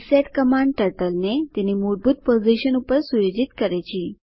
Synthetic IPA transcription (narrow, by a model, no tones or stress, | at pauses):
seʈkəmaɳɖ̚ʈəʈəlnet̪inːimoɽbʱuːt̪̚pod͡ziɕənupəɾsujod͡ʑit̪kəɾajt͡ɕiː